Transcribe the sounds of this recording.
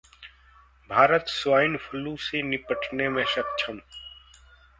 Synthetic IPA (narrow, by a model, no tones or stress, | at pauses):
bʱaːɾət̪swaːjɪnfʰəlũsenɪpəʈʰnemẽʃɐk̚t͡ʃʰəm